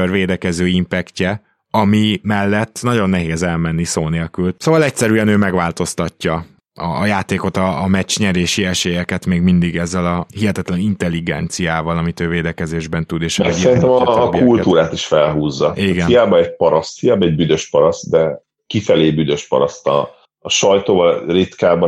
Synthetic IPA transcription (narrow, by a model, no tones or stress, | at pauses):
ørveːd̪ɛkɛzøːimpɛkcɛ | ɒmimɛlːɛt̪ːnɒɟo̞nːɛɦeːzɛlmɛnːisoːneːlkylsoːvɒlɛcsɛɾyɛnøːmɛɡʋaːlt̪o̞st̪ɒcːɒ | ɒːjaːt̪eːko̞t̪ɒːmɛt͡ʃɲɛɾeːʃiɛʃeːjɛkɛt̪meːɡmind̪iɡɛzːɛlɒhiɦɛt̪ɛt̪lɛnint̪ɛlːiɡɛ̰nt̪sijaːvɒlɒmit̪øːveːd̪ɛkɛzeːʒbɛnt̪ud̪eːʃɛsiɛɾint̪ɛmɒːkːult̪uːɾaːt̪iʃfɛlɦuːzːɒiɡɛnijaːbɒɛɟ̚pɒɾɒst̪fijaːbɒɛɟ̚byd̪øʃpɒɾɒst̪d̪ɛ | kifɛleːbyd̪ø̞ʃpɒ̰ɾɒst̪ɒ̰ː | ʃɒjt̪oːvɒrit̪kaːbɒ